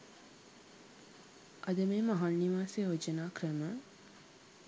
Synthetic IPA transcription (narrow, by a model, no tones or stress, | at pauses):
ʔɐd̪əmeːmaɦaɳniʋaːseɦod͡ʒənaːkrəmə